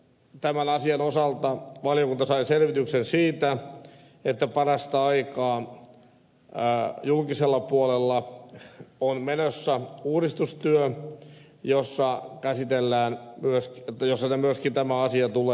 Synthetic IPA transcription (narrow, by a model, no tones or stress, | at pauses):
t̪æmænɑsiɑnosɑlt̪ɑʋɑljokunt̪ɑsɑiselʋit̪yksensiːt̪æ | et̪ːæpɑrɑst̪ɑɑikɑː | julkiselːɑpuolelːɑ | onmenosːæuːɾist̪ust̪yø | josːɑkæsit̪elːæːnmyøskt̪ːjosːɑnemyøskint̪æmæɑsiɑt̪uleː